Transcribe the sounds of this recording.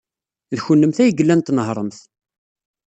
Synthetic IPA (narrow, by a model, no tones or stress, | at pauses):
ðçʊlːəmθæjəɡəlːænt̪ːnəɦɾˤəmθ